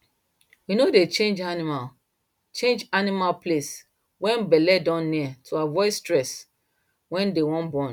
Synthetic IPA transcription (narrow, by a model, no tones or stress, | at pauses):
winodet͡ʃẽnd͡ʒanimal | t͡ʃẽnd͡ʒanimalples | wɛ̃nbɛlɛdãnːiatʰoavɔɪstɹɛs | wɛ̃ndewɔ̃nbɔ̃n